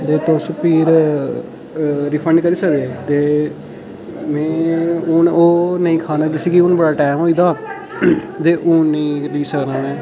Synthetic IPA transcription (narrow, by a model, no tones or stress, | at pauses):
d̪eːt̪ospiːɾ | ɾɪpʰə̃ɳɖkəɾiːsəkd̪eːt̪eː | mɛ̃ːʊnoːnəĩːkʰaːnãːd͡ʒɪsikiʊnbəɽaːʈaːmɦoːiːd̪aː | d̪eːʔʊnːəĩːliːsəknãːmɛ̃ː